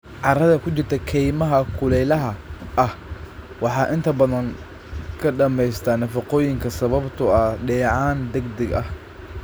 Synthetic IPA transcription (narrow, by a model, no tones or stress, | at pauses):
ʕɑrɐðɐkʰʊt͡ʃɪrt̪ʰɐkʰɛjmɐɦɐkʰʊlɛjlɐɦɐɐh | wɑħɑːʔɪnt̪ʰɐbɐðɐŋ | kʰɐɖɐmɛjst̪ʰaːnɐfɑqɔːjɪŋkʰɐsɐβɐbt̪ʰʊɐɖɛːʕɑːnd̪ɐɡd̪ɐɡɐ̰h